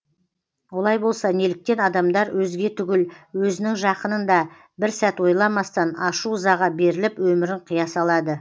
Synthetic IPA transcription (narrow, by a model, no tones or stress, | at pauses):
wo̞lˠɑjbo̞lˠsɑnelɪk̚t̪e̞nɑd̪ɑmd̪ɑɾwʔɵzɡʲe̞t̪ʰʏɡʲɪlwɵzɪnɪŋʒɑqənənd̪ɑ | bɪɾsæt̪wo̞jlˠɑmɑst̪ɑnɑʃuzɑʁɑbe̞ɾɪlɪpwɵmɪɾɪɴqʰijɑsɑlˠɑd̪ə